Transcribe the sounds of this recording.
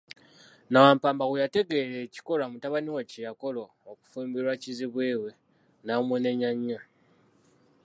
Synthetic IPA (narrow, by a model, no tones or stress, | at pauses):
nawaːmpaːmbaɣejate̞ɡe̞ɾe̞ːci̥ko̞lamutaβaniwacejako̞loːku̥fuːmbiɾwaciziβweːwe̞ | namwene̞ɲaɲːa